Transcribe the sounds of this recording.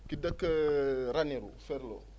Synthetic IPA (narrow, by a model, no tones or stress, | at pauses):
kidəkəɾaniɾṵfɛɾlo̰